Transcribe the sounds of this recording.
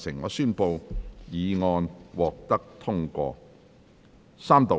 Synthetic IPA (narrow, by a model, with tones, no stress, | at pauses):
sʰɪ˨˩ŋːɔː˧syː˥npo˧wjiː˨˧ŋɔː˧nwɔː˨k̚t̪ɐ˥k̚t̪ʰʊ˥ŋkʷɔ̰ː˧ | saː˥mt̪o˨